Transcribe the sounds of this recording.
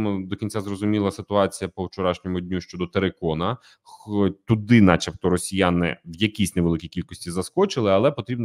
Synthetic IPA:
mʊd̪ɔkʲinʲt͡sʲazrɔzʊmʲilˠɐsɪt̪ʊɑt͡sʲijɐpɔwt͡ʃɔɾɑʃnʲɔmʊdʲnʲuʃt͡ʃɔd̪ɔt̪eɾekɔnɐ | xɔt̪ʊd̪ɪnɑt͡ʃɛpt̪ɔɾɔsʲijanɪ̰ʋjɐkʲisʲneʋelˠɪkʲijkʲilʲkɔsʲtʲizɐskɔt͡ʃɪlˠɪɐlˠɛpɔt̪ɾʲibn

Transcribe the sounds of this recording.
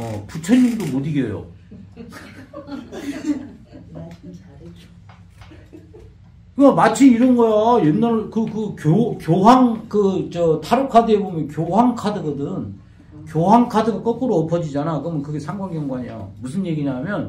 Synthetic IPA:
ʌput͡ɕʰʌɲimdomodiɡjʌjo̰ | kɯɡamat͡ɕʰiiɾʌnɡʌjajenːaɾɭkɯkɯkjokjoɦaŋkɯt͡ɕʌtʰaɾokʰadɯebomjʌnkjoɦaŋkʰadɯɡʌdɯn | kjoɦaŋkʰadɯɡak͈ʌk͈ɯɾoʌpʰʌd͡ʑid͡ʑanakɯʌmʌnkɯɡe̞sʰaŋɡwaŋɡjʌŋɡuwaɲejo̰mus̬ʰɯnje̞ɡiɲamjʌn

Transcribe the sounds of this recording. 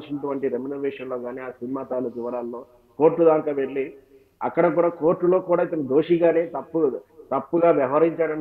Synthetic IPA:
t͡ʃinɐʈuʋɐɳʈiɾemunɐɾʋɛːʂɐnlo̞ːɡaːniːaːsinimaːt̪aːlɐkiʋɐɾaːllo̞ː | ko̞ːɾʈːud̪aːŋkaːʋe̞ɭːi | ɐ̰kːɐɽɐkuːɽaːko̞ːɾʈːulo̞ːkuːɽaːit̪ɐnɐd̪oːʂiɡaːne̞ːt̪ɐpːuɐt̪ɐpːuɡaːʋjɐʋɦɐɾiɲt͡ʃaːɽɐɳ

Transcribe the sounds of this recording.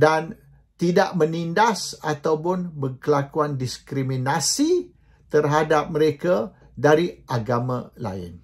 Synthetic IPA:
dan | t̪idaʔmə̃nindasat̪awpʊnbərkəlakuandiskɾiminasi | t̪ərɦadap̚məɾeka | daɾiʔaɡamãla̰ɪ̰n

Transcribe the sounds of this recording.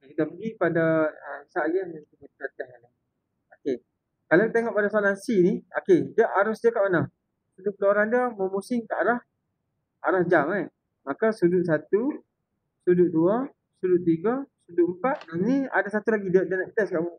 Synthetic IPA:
kit̪apəɡipadaəsaʔɡaək̪imət̪ət̪ɛhala | oke | kalawkit̪aiŋɔʔpadasalansiniokedəʔaɾʊsdiəkaʔmanəh | suduʔpəlooɾaŋdiəmomusɪŋkaʔaɾah | aɾahd͡ʒamaj | makasuduʔsat̪u | suduʔdua | suduʔt̪iɡəsuduʔmpat̪̚nania̰dasat̪ulaɡidəʔdənaʔt̪ɛskaʔmu

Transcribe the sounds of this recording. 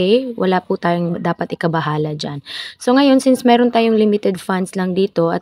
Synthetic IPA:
ɛjwʔɐ̰laːpʊt̪aːjoŋd̪aːpɐt̪ɪkɐbɐɦaːlɐd͡ʒanso̞ŋɐjo̞nsɪnsmɛːɾont̪aːjoŋlɪmɪt̪ɛd̪̚fand̪slɐŋd̪iːt̪o̞ʔɐ̰

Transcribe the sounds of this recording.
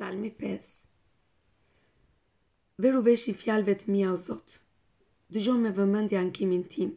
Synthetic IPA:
almipɛs | vɛɾuvɛʃifjalvɛt̪miauzɔt̪ | d̪əʒɔmɛvəmãnd̪iaŋkʰimint̪ʰin

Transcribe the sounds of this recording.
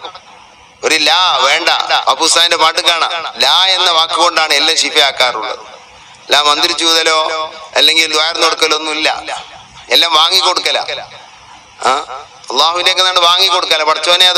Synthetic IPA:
oɾulaːʋe̞ːɳɖɐ̰ɐpːust̪aːndepaːʈːɨkaːɳɐlaːe̞nːɐʋaːkːɨɣko̞ɳɖaːɳɨelːamɕifɐjaːkːaːruɳɖɐ̰ | laːmːɐnd̪iɾit͡ɕːuːðɐlo̞ːɐlːe̞ŋɡild̪ʋɐjɐɾnːoɽukːɐlonːumilːɐ̰ | elːaːmʋaːŋːikːo̞ɽukːɐlɐ̰ | aː | ɐlːaːɦuʋinde̞ːkːɨnaːɖɨʋaːŋːikːo̞ɽukːɐlːɐpɐʈɐt͡ɕːɐɐnːeɐð

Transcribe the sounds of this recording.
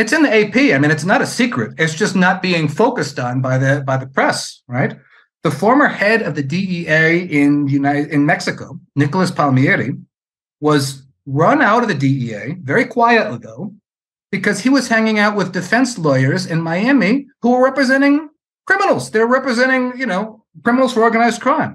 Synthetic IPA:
ɨtsɨ̃nðieɪpʰiaɪmĩnɨtsnəɾɨsikɹɨɾɨtsd̥ʒ̥ʌsnət̚b̥iɪ̃ŋfoʊkɨstn̩baɪðɨbaɪðɨpʰɹ̥ɛsɹaɪt̪̚ | ðəfɔɹmə˞hɛɾʌvðɨdiieɪɪ̃njʉnaɪɪ̃nmɛksɨkoʊnɪkl̩ˠəspʰɑlˠmiɛɾi | wʌz | ɹʌ̃naʊɾʌvðɨdiieɪvɛɹikʰw̥aɪɨtˡliðoʊ | b̥ɨkʰʌz̥iwʌz̥hæ̃ŋɪ̃ŋaʊt̚wɨðdɨfɛ̃nslɔɪə˞zɨ̃nmaɪæmihuə˞ɹɛpɹɨzɛ̃ɾ̃ɪ̃ŋ | kʰɹ̥ɪ̃mənl̩ˠz̥ðə˞ɹɛpɹɨzɛ̃ɾ̃ɪ̃ŋjɨnoʊ | kʰɹ̥ɪ̃mənl̩ˠz̥fə˞ɔɹɡɨnaɪzd̚kʰɹ̥ãɪ̃m

